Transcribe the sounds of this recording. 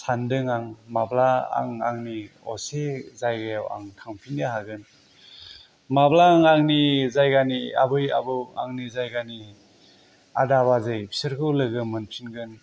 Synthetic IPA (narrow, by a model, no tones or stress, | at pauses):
sandɯŋaŋmablaa̰ŋa̰ŋni | ɔ̰sezajɡajawa̰ŋtʰaŋpʰindeɦaɡɯn | mablaːŋaŋnizajɡania̰bɯja̰bɯa̰ŋnizajɡani | a̰daβazɯjbʰi̥sɯɾkʰɯwlɯɡɯmɯnpʰinɡɯn